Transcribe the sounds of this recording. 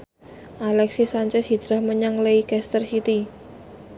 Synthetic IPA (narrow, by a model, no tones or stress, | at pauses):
ʔalɛksisaɲt͡ʃɛshɦid͡ʒɾahməɲaŋleikɛst̪ərsit̪i